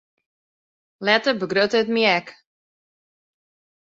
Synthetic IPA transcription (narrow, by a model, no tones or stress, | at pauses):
lɛtəbəɡrøtəətmiɛk